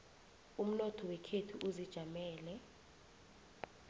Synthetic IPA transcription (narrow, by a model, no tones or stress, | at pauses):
um̩nɔtʰɔwɛkʰetʰuʔuzid̥ʒ̥ʱamɛːlɛ